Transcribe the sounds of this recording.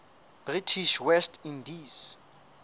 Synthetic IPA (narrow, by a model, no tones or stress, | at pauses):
b̥ritʰiʃwɛstʰindis